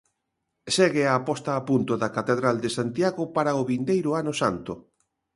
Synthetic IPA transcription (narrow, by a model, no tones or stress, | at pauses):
seɣɪaːpɔst̪aːpunt̪ʊðakat̪eðɾald̪esant̪jaɣʊpaɾaoβind̪ejɾʊanosant̪o